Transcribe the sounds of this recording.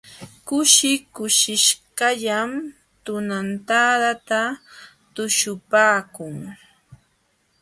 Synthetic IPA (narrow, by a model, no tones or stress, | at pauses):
kʊʃɪkʊʃɪʃɢɑʎam | t̪ʊnant̪aɾat̪a | t̪ʊʃʊpaːkʊŋ